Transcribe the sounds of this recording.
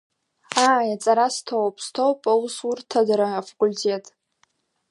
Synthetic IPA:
ajat͡sʼaɾastʰowpʼstʰowpʼausurtʰadaɾaːfakʼultʲʰe̞tʼ

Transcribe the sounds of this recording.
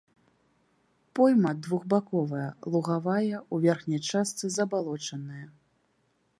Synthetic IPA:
pɔjmɐd̪vuɣbakɔvɐjɐlˠuɣavajɐuvʲɛrxnʲɐjt͡ʂast̪sɨzɐbalˠɔt͡ʂɐnːɨjɐ

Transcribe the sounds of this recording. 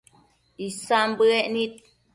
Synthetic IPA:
isambɨɛʔnit̪̚

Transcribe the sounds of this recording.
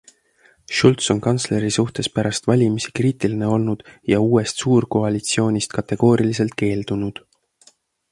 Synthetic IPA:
ʃult̪so̞nkɑnt̪sle̞ɾisuht̪e̞spæɾɑst̪vɑlʲimisi̥kriːt̪iline̞o̞lnud̪̥jɑuːe̞st̪suːrko̞ɑlʲit̪sio̞ːnʲist̪kɑt̪e̞ɡ̥o̞ːɾilise̞lt̪̚ke̞ːld̪̥unud̪̥

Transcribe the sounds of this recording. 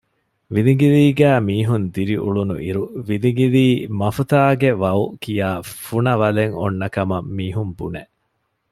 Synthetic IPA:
ʋiliŋɡiliːɡæːmiːɦund̪iɾiʔṵɭunṵʔiɾuʋiliɡiliːmɐfut̪aːɡeʋɐukijaːfunɐʋɐleŋo̰nːɐkɐmɐmmiːɦumbṵneʔ

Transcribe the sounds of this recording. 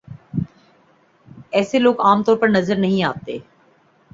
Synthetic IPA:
ɛːseloːɡaːmt̪ɔːɾpɐɾnɐzəɾnɐɦĩaːt̪ḛː

